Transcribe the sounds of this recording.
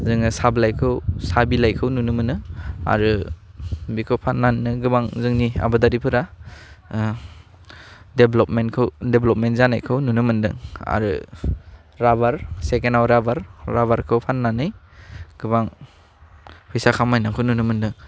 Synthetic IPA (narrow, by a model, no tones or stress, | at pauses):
zɯŋɯsablajkʰɯwsabilajkʰɯwnunɯmɯnɯa̰ɾɯ | bikʰɯwpʰanːannɯɡɯbaŋzɯŋnia̰badaɾipʰɯɾa | deblɔpmenkʰɯwdeblɔp̚mentzana̰jkʰɯwnunɯmɯndɯŋa̰ɾɯ̰ | ɾabaɾsekenawɾabaɾːabaɾkʰɯwpʰanːanɯj | ɡ̥ɯbaŋ | pʰɯjsakʰamajnakʰɯwnunɯmɯndɯŋ